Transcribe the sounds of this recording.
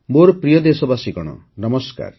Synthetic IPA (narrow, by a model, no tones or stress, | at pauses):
moɾɔpɾijɔd̪esɔbasikɔɽ̃ɔ̰ | nɔmɔska̰ɾ